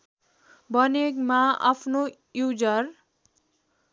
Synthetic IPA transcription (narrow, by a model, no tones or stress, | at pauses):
bʌnekmaa̰pʰno | jud͡zʌr